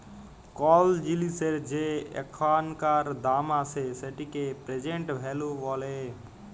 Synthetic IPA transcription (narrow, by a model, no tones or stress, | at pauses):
kɔːld͡ʒiliseɾd͡ʒeḛkʰaːnkaːɾd̪aːmaseseʈikepɾed͡ʒeɳʈbʱeːluʋɔːle